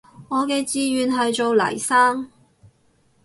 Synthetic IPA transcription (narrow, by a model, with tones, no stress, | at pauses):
ŋɔː˨˧kɛː˧t͡siː˨˧ɥyː˨nɦɐ˨jt͡so˨wlɐ̰˨˩jsaː˥ŋ